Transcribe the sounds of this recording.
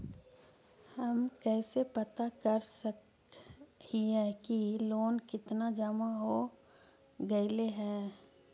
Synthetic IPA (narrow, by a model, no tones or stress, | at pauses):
hɐmkɛːsepɐt̪akɐɾsək | iɦɛ̃kiloːnkɪt̪nad͡ʒəmaɦo | ɡɐileɦɛ̃ː